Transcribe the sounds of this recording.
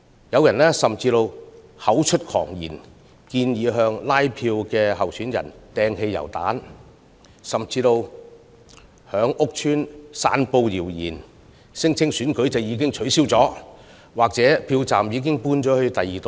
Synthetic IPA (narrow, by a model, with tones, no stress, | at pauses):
jɐ˨˧wjɐ˨˩nɛː˥sɐ˨mt͡siː˧t̪o˧whɐ˨˥wt͡ʃʰɵ˥t̚kʰɔ̰ː˨˩ŋjḭː˨˩n | kiː˧njiː˨˧ɦœː˧ŋlaː˥jpʰiː˧wkɛː˧ɦɐ˨wsyː˨˥njɐ̰˨˩nt̪ɛː˧ŋhe˧jːɐ̰˨˩wt̪a̰ː˨˥n | sɐ˨mt͡siː˧t̪o˧w | hœː˨˥ŋʔʊ˥k̚t͡ʃʰyː˥nsa̰ː˧npo˧wjiː˨˩wjḭː˨˩n | sɪ˥ŋt͡sʰɪ˥ŋsyː˨˥nkɵ˨˥ɥt͡sɐ˨wjiː˨˧˥kɪ˥ŋt͡ʃʰɵ˨˥ɥsiː˥wt͡sɔː˨˥ | waː˨k̚t͡sɛː˨˥pʰiː˧wt͡saː˨mjiː˨˧k̬ɪ˥ŋpuː˧nt͡ʃɔː˨˥hɵ˧t̪ɐ˨jiː˨t̪o˧